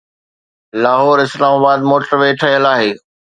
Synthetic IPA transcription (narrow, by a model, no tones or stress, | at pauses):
laːɦɔːɾɪslaːmaːbaːd̪moːʈəɾʋeːʈʰɐɦəlaːɦeː